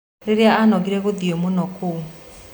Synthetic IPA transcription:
ɾeɾeaanɔɡiɾɛɣoðiomonɔkʰo

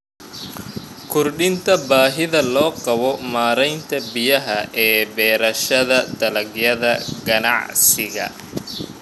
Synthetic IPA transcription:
kʰʊrɖɪnt̪ʰɐbaːɦɪðɐlɔːqɑβɔmaːɾɛjnt̪ʰɐbɪjɐɦɐʔɛːbɛːɾɐʃɐðɐd̪̥ɐlɐɡjɐðɐɡɐnɑ̰ʕsɪɣɐ̰

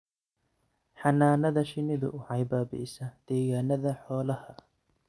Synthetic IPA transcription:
ħɑnaːnɐðɐʃɪnɪðʊ̰ʔʊʕɑjbaːbɪ̰sɐd̪̥ɛːɣaːnɐðɐħɔːlɐhɐ

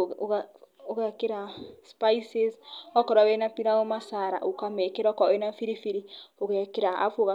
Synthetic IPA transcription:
oɣɛkeɾaspaisesɔkɔɾawɛnapiɾaɣɔmasaɾa̰ʔokamɛkeɾɔkɛnafiɾifiɾioɣɛkeɾaa̰foɣa

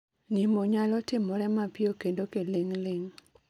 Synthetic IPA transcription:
nimoɲalɔtɪmɔɾɛmapɪjokendokelɪŋlɪŋ

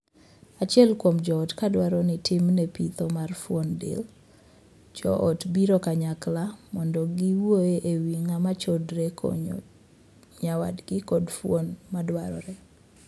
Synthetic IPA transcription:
at͡ʃjɛlkwomd͡ʒɔɔtkadwaɾɔnɪtɪmnɛpit̪ɔmarfwondḛl | d͡ʒɔ̰ʔɔtbiɾɔkaɲaklamɔndɔɡɪwoeʔewiŋamat͡ʃɔdɾekɔ̰ɲ̰ | ɲawa̰dɡɪkɔdfwonmadwaɾɔ̰ɾɛ

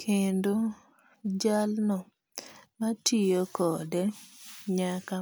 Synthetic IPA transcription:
kʰendo | d͡ʒalnɔ | matʰijokɔdɛɲaka

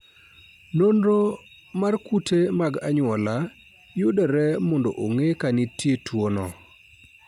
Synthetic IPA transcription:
nonɾo | markutʰemaɡaɲwɔla | jʊdɛɾɛmɔndoʔoŋekanitjetwonɔ

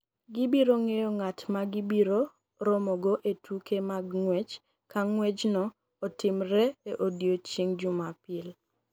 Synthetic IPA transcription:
ɡɪbiɾoŋejɔŋatmaɡɪbiɾo | ɾɔmɔɡoʔetʰukemaɡŋwɛt͡ʃ | kaŋwɛd͡ʒnɔː | tɪmɾɛeʔodjot͡ʃiŋd͡ʒʊmapɪl

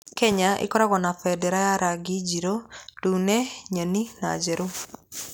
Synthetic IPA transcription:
kɛɲaʔḛkɔɾaɣɔnafɛdɛɾajaɾaɡid͡ʒiɾotuːnɛɲanina̰d͡ʒɛɾu

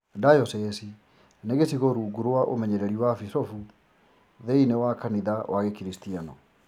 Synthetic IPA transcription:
dajɔsɛsi | neɣesiɣoɾuːɡuɾowaʔo̰mɛɲɛɾɛɾiwafisɔfu | ðeinewakaniðawʔaɣekiɾistianɔ

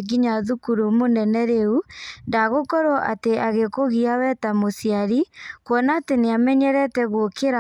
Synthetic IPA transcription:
ɡiɲaðukuɾumonɛnɛɾeundaɣokɔɾɔʔateaɣekoɣiawɛtamosiaɾikwɔnaːteneamɛɲɛɾɛtɛɣokeɾa

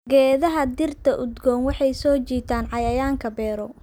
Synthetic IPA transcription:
ɡɛːðɐɦɐd̪ɪrt̪ʰɐʔʊd̪ɡɔːnwɑħɑjsɔːt͡ʃiːt̪ʰaːnʕɑjɐjaːŋkʰɐbɛːɾɔ

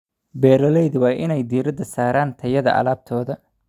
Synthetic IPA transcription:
bɛːɾɐlɛjðʊwɑːjʔɪnɛjd̪iːɾɐd̪ːɐsaːɾaːnt̪ʰɐjɐðɐ̰ʔɐ̰laːb̚t̪ʰɔːðɐ

